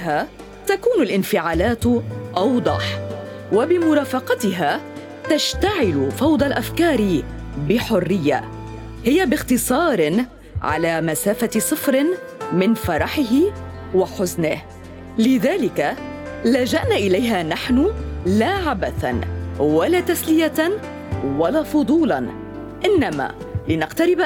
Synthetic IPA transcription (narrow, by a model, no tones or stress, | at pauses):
haː | t̪akuːnʊlʔɪnfɪʕaːlaːt̪ʔɑwd̪ˤɑ̰ħ | wabɪmʊɾˤaːfɑqɑt̪ɪɦaː | t̪aʃt̪aʕɪlʊfɑwd̪ˤɑlʔafkɑːɾɪ | bɪħʊrːɪjːa̰ | hɪjabɪxt̪ɨsˤɑːɾɪ | ʕa̰laːmasaːfasˤɨfɾɪn | mɪnfɑɾˤɑħɪɦɪ | waħʊznɪh | lɪðaːlɪka | lad͡ʒaʔnaːʔɪlajɦaːnaħnʊlaːʕabaθanwalaːt̪aslɪja | walaːfʊd̪ˤuːlɑn | ʔɪnːama̰ː | lɪnaqt̪aɾɪb